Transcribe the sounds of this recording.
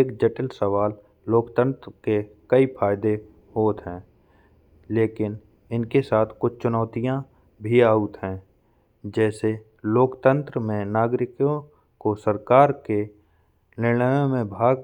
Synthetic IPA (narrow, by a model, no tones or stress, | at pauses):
eːkd͡ʒəʈəlsəʋaːlː | oːkt̪ə̃nt̪ɾkekəipʰaːɪd̪e | ɦoːt̪ɦɛ̃ː | leːkɪn | ɪnkesaːt̪ʰkʊt͡ʃʰt͡ʃʊnɔːt̪ijã | bʱiaːʊt̪ɦɛ̃ː | d͡ʒɛːse | loːkt̪ə̃nt̪ɾəmẽnaːɡɾɪkjõ | kosəɾkaːɾke | nɪ̃əjõmẽbʱaːɡ